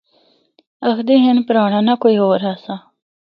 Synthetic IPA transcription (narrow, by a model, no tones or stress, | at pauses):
əxd̪eːɦɪnpɾaːɳãːnaːkoːiːɦoːɾaːsaː